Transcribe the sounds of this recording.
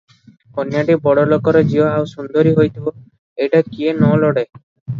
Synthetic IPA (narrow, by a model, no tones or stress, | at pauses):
kɔnjaʈibɔɽɔlokɔɾɔd͡ʒiɔawsund̪oɾiɦojt̪ʰibɔ | ejʈakienɔloɽe